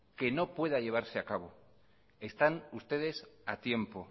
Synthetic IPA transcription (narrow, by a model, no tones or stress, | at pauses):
ke̞no̞pwe̞ðaʝe̞β̞aɾseakaβ̞o̞ | est̪anust̪e̞ðe̞sat̪je̞mpo̞